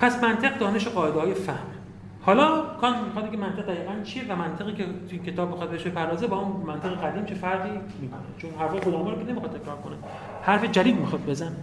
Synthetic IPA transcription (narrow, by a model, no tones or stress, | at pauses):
pʰæsmænt̪ʰeɣd̪ɒːne̞ʃeɣɒːe̞d̪eɒːjefæhm | hɒːlɒːkʰɒːnmixɒt̪ikʰʲemænt̪e̞ʁ̚d̪æɣiːɣænt͡ʃʰije̞væmænt̪ʰe̞ɣiːcʰet̪ʰujincʰe̞t̪ʰɒːb̚ːixɒːd̪̚beeʃbepʰæɾdɒːzebɒːhunmænt̪ʰeɣeʁæd̪iːmt͡ʃʰefæɾdiː | miːkʰonḛt͡ʃʰonɦæɾfɒːlkod̪ɒːmɑɾmkʰʲenemixɒd̪t̪ʰekʰɾɒːɾkʰone | hæɾfe̞d͡ʒæd̪iːd̪mixɒd̪̚be̞zæne